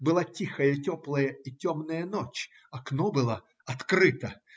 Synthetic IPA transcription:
bɨlˠatʲixɐjətʲɔplˠəjəitʲomnəjənot͡ɕ | ɐknɔbɨlˠa | ɐt̪kɾɨt̪ɐ

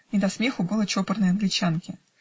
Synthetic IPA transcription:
nʲɪd̪ɐsmʲe̞xʊbɨlˠət͡ɕopərnəjɐnɡlʲɪt͡ɕankʲɪ

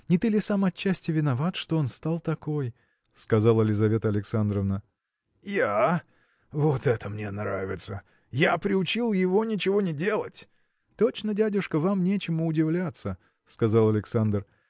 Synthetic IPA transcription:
nʲɪt̪ɨlʲɪsamɐt͡ɕːæsʲtʲɪvʲɪnɐvat̪ʂt̪oonst̪alˠt̪ɐko̞j | skɐzɑlˠɐlʲɪzɐvʲe̞t̪əɐlʲɪksand̪ɾəvnə | ja | vot̪ɛt̪əmnʲe̞nɾavʲɪt̪sə | japɾʲɪʊt͡ɕilˠjɪvo̞nʲɪt͡ɕɪvo̞nʲɪdʲe̞lˠətʲ | t̪o̞t͡ɕnədʲædʲʊʂkəvamnʲet͡ɕɪmʊʊdʲɪvlʲat̪sə | skɐzalˠɐlʲɪksand̪r

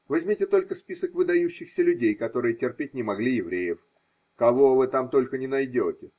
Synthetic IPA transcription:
vɐzʲmʲitʲɪt̪o̞lʲkəspʲisəkvɨd̪ɐjʉɕːɪxsʲəlʲʉdʲejkɐt̪o̞ɾɨjətʲɪrpʲetʲnʲɪmɐɡlʲijɪvɾʲejɪf | kɐvo̞vɨt̪amt̪o̞lʲkənʲɪnɐjdʲotʲɪ

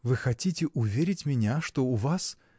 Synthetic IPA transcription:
vɨxɐtʲitʲɪʔʊvʲeɾʲɪtʲmʲɪnʲaʂt̪oʊvas

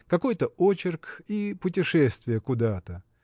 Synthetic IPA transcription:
kɐko̞jt̪əot͡ɕɪrkipʊtʲɪʂɛst̪vʲɪjəkʊd̪at̪ə

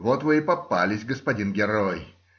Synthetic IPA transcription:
wɔt̪wejpapːalʲɪsʲɡəspɐdʲinɡʲɛɾɔj

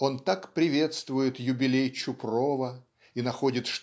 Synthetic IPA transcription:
o̞nt̪akpɾʲɪvʲe̞t̪st̪vʊjɪt̪jʊbʲɪlʲejt͡ɕʊprovə | inɐxo̞dʲɪt̪ʂ

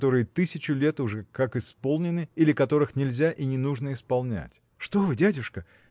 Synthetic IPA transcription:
t̪o̞ɾɨjət̪ɨsʲɪt͡ɕʊlʲe̞t̪ʊʐɛkakɪspo̞lˠnʲɪnɨilʲɪkɐt̪o̞ɾɨxnʲɪlʲzʲaʔinʲɪnuʐnəɪspɐlˠnʲæ̰tʲ | ʂt̪o̞vɨdʲædʲʊʂkə

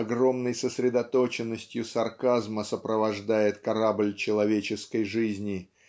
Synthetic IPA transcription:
ɐɡɾo̞mnəjsəsʲɾʲɪd̪ɐt̪o̞t͡ɕɪnːəsʲtʲjʊsɐrkazməsəpɾəvɐʐd̪ajɪt̪kɐɾablʲt͡ɕɪlˠɐvʲet͡ɕɪskəjʐɨzʲnʲɪ

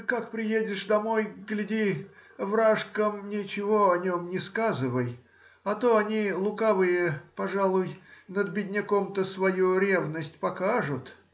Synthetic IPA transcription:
kakpɾʲɪjedʲɪʂd̪ɐmo̞jɡlʲɪdʲivɾaʂkəmnʲɪt͡ɕɪvoɐnʲo̞mnʲɪskazɨvəj | ɐt̪oɐnʲilˠʊkavɨjəpɐʐalˠʊjnəd̪bʲɪdʲnʲɪkomt̪əsvɐjuɾʲe̞vnəsʲtʲpɐkaʐʊt̪

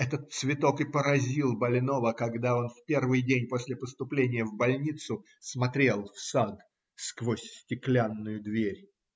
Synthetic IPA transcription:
ɛt̪ət̪̚svʲɪt̪o̞kɨpəɾɐzʲilˠbɐlʲno̞vəkɐɡd̪ao̞nfpʲe̞rvɨjdʲenʲposʲlʲɪpəst̪ʊplʲenʲɪjəvbɐlʲnʲit̪sʊ | smɐt̪ɾʲe̞lˠfsad̪ | skvosʲsʲtʲɪklʲanːʊjʊd̪vʲeɾʲ

